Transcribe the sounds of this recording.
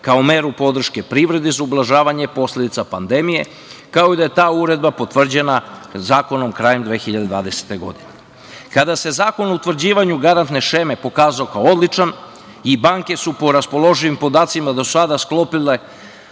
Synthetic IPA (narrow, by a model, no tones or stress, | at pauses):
kaomeɾupo̞d̪r̩ʃke̞pɾiʋɾe̞d̪izaublˠaʒaːʋaɲe̞po̞slʲe̞d̪it̪sapand̪e̞mije̞ | kao̞id̪aje̞t̪aːuɾe̞d̪̚bapo̞t̪ʋr̩d͡ʑe̞na | zaːko̞no̞mkɾaːjemd̪ʋe̞ːxiʎad̪ed̪ʋa̰ːd̪e̞se̥t̪e̞ɡo̞̰d̪ine | kad̪ase̞zaːko̞nout̪vr̩d͡ʑiːʋaɲuɡaɾant̪ne̞ʃeme̞po̞kaːzaokaoo̞d̪lit͡ʃan | ibaŋke̞supo̞ɾaspo̞lo̞ʒiʋimpo̞d̪aːt̪simad̪o̞ssad̪asklˠo̞pile